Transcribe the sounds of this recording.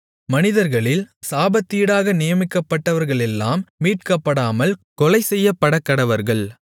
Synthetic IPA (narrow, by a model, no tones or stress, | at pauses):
mɐnɪðɐɾɣɐɭɪlsaːbɐt̪ːiːɽaːɣɐnɪjɐmɪkːɐpːɐʈːɐʋɐɾɣɐɭɛlːaːmːiːʈ̚kɐpːɐɽaːmɐlkɔlɐɪsɛjːɐpːɐɽɐkːɐɽɐʋɐɾɣɐɭ